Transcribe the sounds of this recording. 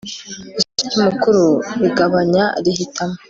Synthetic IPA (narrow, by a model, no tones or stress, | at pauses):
isut͡ʃimukuɾuɾiɡaβaɲaɾihitamo